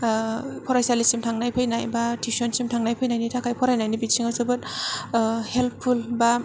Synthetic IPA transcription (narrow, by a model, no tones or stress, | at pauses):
pʰɔɾajsalisimtʰaŋnajpʰɯjnajbatʰisɔnsimtʰaŋnajpʰɯjnajnitʰakʰajpʰɔɾajnajnibitsiŋazɯbɯt | helppʰulba